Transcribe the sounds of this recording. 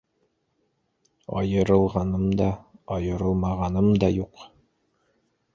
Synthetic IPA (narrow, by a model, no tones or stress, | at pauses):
ɒ̰jɤ̆ɾɤ̆lˠʁɑnɤmd̪ɑɒjɤ̆ɾɤlˠmɑʁɑnɤmd̪ɒjuq